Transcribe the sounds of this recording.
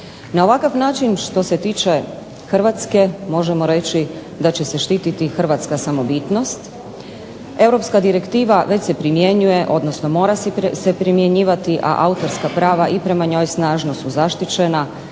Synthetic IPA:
nao̞ʋakaʋnaːt͡ʃinʃt̪o̞se̞t̪iːt͡ʃe | xrʋat̪ske̞mo̞ʒemo̞ɾe̞t͡ɕi | d̪at͡ɕe̞se̞ʃt̪iːt̪it̪ixr̩ʋat̪skasamo̞bit̪no̞st̪ | e̞wɾo̞pskad̪iɾe̞kt̪iːʋaʋe̞t͡ɕse̞pɾimje̞ɲuje̞ʔo̞d̪no̞snomo̞ːɾasesepɾimje̞ɲiːʋat̪iʔa̰ʔaut̪oɾskapɾaːʋaʔipɾe̞maɲo̞ːjsnaːʒno̞suzaʃt̪it͡ɕe̞na

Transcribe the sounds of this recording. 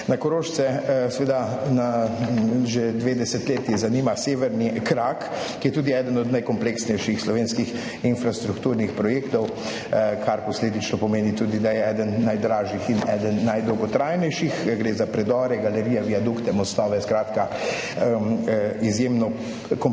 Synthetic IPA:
nakɔɾoːʃsɛsʋeːd̪ana | ʒed̪ʋeːd̪ɛsɛt̪leːt̪ɛzaniːmaseːʋɛɾnikɾak | kːijɛt̪uːd̪iɛːd̪ənɔd̪najkɔmpleksnɛjʃixslɔʋeːnskix | infɾast̪ɾukt̪uːɾnixpɾɔjeːkt̪ɔw | kʰaɾpɔsleːd̪it͡ʃnɔpɔmeːnit̪uːd̪id̪ajɛɛːd̪ənːajd̪ɾaːʒixinɛːd̪ənːajd̪ɔwɡɔt̪ɾajnɛjʃixɡɾeːzapɾɛd̪ɔːɾɛɡalɛɾiːjaʋiad̪ukt̪ɛmɔst̪ɔːʋɛskɾaːt̪ka | izjemnɔ | kɔ

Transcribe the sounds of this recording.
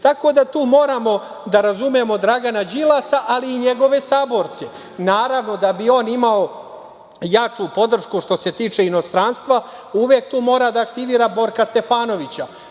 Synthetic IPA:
t̪ako̞d̪at̪uːmo̞ːɾamo̞ | d̪aɾazumemo̞d̪ɾaɡanad͡ʑilˠasaʔaliːɲe̞ɡo̞ʋe̞saːbo̞ɾt̪se̞ | naːɾaʋno̞d̪abio̞ːnimao̞ | jat͡ʂupo̞d̪r̩ʃkuʃt̪o̞se̞t̪iːt͡ʂe̞ino̞st̪ɾanst̪ʋa | uʋjek̚t̪uːmo̞ːɾad̪aːkt̪iʋiːɾabo̞ɾkast̪e̞faːno̞ʋit͡ɕa

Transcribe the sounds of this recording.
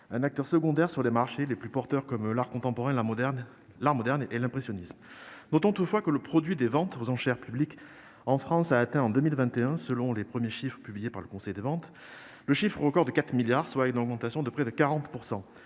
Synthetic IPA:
ɛ̃nak̚t̪œʁsəɡɔ̃d̪ɛʁsyʁlemaʁʃeleplypɔʁt̪œʁkɔmlaʁkɔ̃t̪ɑ̃pɔʁɛ̃ | laʁmɔd̪ɛʁnelɛ̃pχesjɔnismnɔt̪ɔ̃t̪ut̪fwakələpχɔd̪ɥid̪evɑ̃t̪ozɑ̃ʃɛʁpyblik | ɑ̃fχɑ̃saːt̪ɛ̃ɑ̃d̪ømilvɛ̃t̪eɛ̃səlɔ̃lepχəmjeʃifχə̥pyblijepaʁləkɔ̃sɛjd̪evɑ̃t̪ | ləʃifχoʁəkɔʁd̪əkat̪χmiljaʁswaynɔɡ̚mɑ̃t̪asjɔ̃d̪əpχɛd̪əkaʁɑ̃t̪puʁsɑ̃

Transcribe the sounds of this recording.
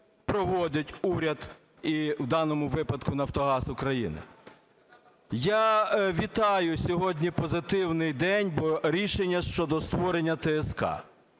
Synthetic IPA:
pɾɔʋɔdʲɐtʲuɾʲɐd̪ | iwd̪ɑnɔmʊʋɪpɐd̪kʊnɐwt̪ɔɦɑsʊkɾɐjḭnɪ̰ | jaʋʲit̪ɑjʊsʲɔɦɔdʲnʲipɔzɪt̪ɪwnɪjd̪ɛnʲbɔɾʲiʃenʲːɐʃt͡ʃɔd̪ɔst̪ʋɔɾenʲːɐt̪ɛːskɑ̰

